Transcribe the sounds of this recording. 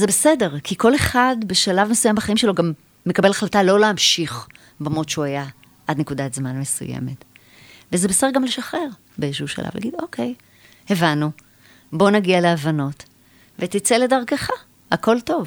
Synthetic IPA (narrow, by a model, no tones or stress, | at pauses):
zebesede̞ʁkʰiko̞le̞χadbeʃalavmesujambaχaimʃelo̞ɡamː | e̞kabe̞laχlatalo̞leamʃiχ | bamotʃuaja | ʔadnekudatzmanmesṵjḛme̞t | vezebesedɡamle̞ʃaχe̞ʁ | beʃuʃa̰la̰vl̰ʔa̰ɡido̞kʰej | hevanːu | bo̞naɡialeavano̞t | vetit͡seledaʁkaχa | ako̞lto̞v